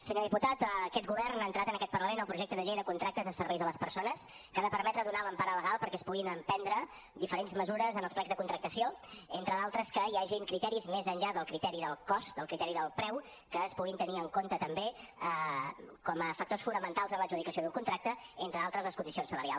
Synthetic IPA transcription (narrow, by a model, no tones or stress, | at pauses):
səɲoðiput̪at̪ːkɛt̪ɡuβɛrnaːnt̪ɾat̪ənəkɛt̪̚pərləmenəlˠpɾuʒekt̪əðəʎejðəkunt̪ɾak̚t̪əzðəsəɾβɛjzðələspəɾsonəs | kaðəpəɾmɛt̪ɾəðunaləmpaɾələɣ̞alˠpəɾkɛəspuɣinəmpɛnd̪ɾə | d̪ifəɾenzməzuɾəzənəlˠsplɛɡzðəkunt̪ɾək̚t̪əsioent̪ɾəðalˠt̪ɾəskəjaʒiŋkɾit̪ɛɾizmezəɲʎaðəlˠkɾit̪ɛɾiðəlˠkɔst̪d̪əlˠkɾit̪ɛɾiðəlˠpɾɛw | kəːspuɣint̪əniəŋkont̪ət̪əmbeəkɔməfək̚t̪osfunəmənt̪alˠzənləʒuðikəsioðuŋkunt̪ɾak̚t̪əent̪ɾəalˠt̪ɾəzləskund̪isionsələɾialˠ